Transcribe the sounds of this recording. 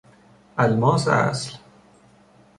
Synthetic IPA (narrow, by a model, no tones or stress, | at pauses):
ʔælmɒːsæ̰sl